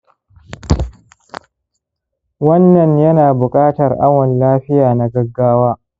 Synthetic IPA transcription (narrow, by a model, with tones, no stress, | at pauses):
wɐ˦nːɐ˨ɲjɐ˦naː˨bʊ˨kʼaː˦tɐ˨rʔa˦wɐ˨nlaː˦ɸɪ˦jaː˨na˨ɡɐ˦ɡːaː˦waː˦